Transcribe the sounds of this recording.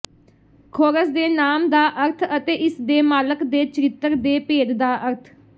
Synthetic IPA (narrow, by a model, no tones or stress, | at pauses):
kʰoːɾəsd̪eːnaːmd̪aːʔəɾt̪ʰət̪eːʔɪsd̪eːmaːləkd̪eːt͡ʃəɾɪt̪ːəɾd̪eːpeːd̪d̪aːʔəɾt̪ʰ